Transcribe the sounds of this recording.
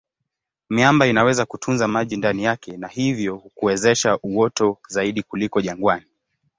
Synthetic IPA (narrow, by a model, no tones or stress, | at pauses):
miambainawɛzakutʰunzamaʄindanijakɛnahivjɔhukuwɛzɛʃaʔuwɔtɔzaiɗikulikɔʄaŋɡwani